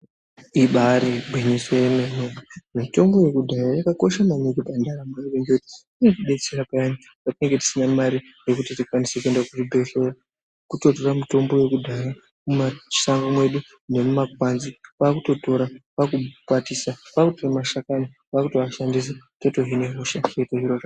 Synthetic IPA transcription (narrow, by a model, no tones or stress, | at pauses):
iɓaɾibʱwiɲisoje̞memeimito̞mbo̞je̞kudʱajajakako̞ʃamanikibandaɾamaiʋendekuti̥ | inekuɓe̞t͡se̞rapajani | katine̞ŋɡe̞ti̥sinamaɾi | je̞kutitikwanise̞kue̞ndakutibʱeɬera | kuto̞toramito̞mbo̞je̞kudʱaja | mumḁsaŋɡamwe̞ɗu | ne̞mumak̚wanzipakuto̞to̞ɾapakupwatisapakutiremaʃakani | ʋakutoʋaʃandis̬etoto̞ɦine̞ɦoʃaetoʒirora